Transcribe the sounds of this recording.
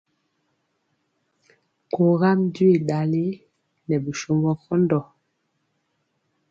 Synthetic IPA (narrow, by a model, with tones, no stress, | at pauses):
ko˨ɣa˦mdɥe˨ɗa˨le˦ | nɛ˨bi˨ʃo˦mbɔ˦kɔ˦ndɔ˨